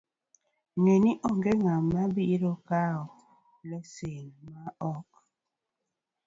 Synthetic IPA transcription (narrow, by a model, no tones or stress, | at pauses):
ŋeniʔɔŋɡeŋamabiɾokao | lɛsenmaɔk̚